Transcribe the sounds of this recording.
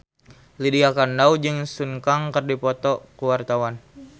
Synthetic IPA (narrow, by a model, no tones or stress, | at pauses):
lidiakandaud͡ʒɨŋsuŋkaŋkərdipɔt̪ɔkuwart̪awan